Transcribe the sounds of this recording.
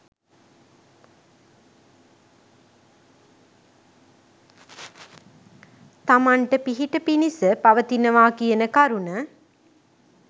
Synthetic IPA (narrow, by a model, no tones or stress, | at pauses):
t̪amaɳʈəpiɦiʈəpinisəpɐʋət̪inəʋaːkijənəkaɾunə